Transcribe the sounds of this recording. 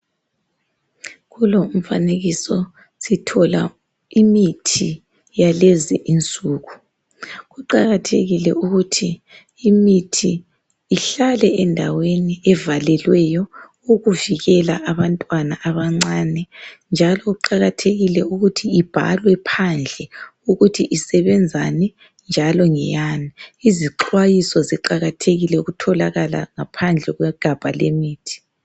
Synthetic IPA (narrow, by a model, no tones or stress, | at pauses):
ɣulom̩faneɣisɔ | sitʰɔla̰ | imitʰi | jalɛzɛ̰ʔint͡sʼuːɣu | ɣuǃaɣatʰḛɣilɛ̰uɣutʰiː | mitʰiː | ɬalɛɛndʱaweniɛvalɛlwɛjɔ | oɣuviɣɛla̰ʔaβantʼwanaʔːβaŋ͡ǀaːnɛnd͡ʒʱalɔuǃaɣatʰeɣilɛuɣutʰiːb̥ʱa̰lwɛpʰand͡ɮʱɛuɣutʰiʔisɛβɛnd͡zʱanɛ | nd͡ʒʱalɔŋɛ̰janiiziǁʰwajisɔziǃaɣatʰeɣilɛuɣutʰɔlaɣala̰ŋapʰand͡ɮʱɛɣwɛɡ̥ʱab̥ʱa̰lḛmiːtʰi̥